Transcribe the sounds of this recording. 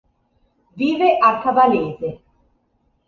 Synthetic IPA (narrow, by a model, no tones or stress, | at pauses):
viːveʔakavaleːze